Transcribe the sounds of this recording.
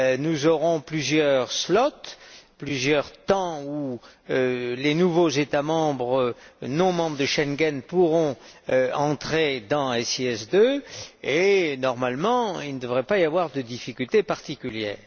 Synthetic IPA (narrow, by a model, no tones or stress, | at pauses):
nuzɔʁɔ̃plyzjœʁslɔt̪plyzjœʁt̪ɑ̃uølenuvozet̪amɑ̃bʁənɔ̃mɑ̃bʁd̪əʃɛnɡɛnpuʁɔ̃ | ɑ̃t̪χed̪ɑ̃ɛsiɛsd̪øenɔʁmalmɑ̃ilnəd̪əvʁɛpaijavwaʁd̪əd̪ifikʲylt̪epaʁt̪ikʲyljɛ̰ːʁ